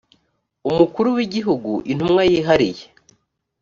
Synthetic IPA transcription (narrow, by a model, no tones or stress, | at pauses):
umukuɾuwiɟiɦuɡuʔin̥umŋajiɦaɾije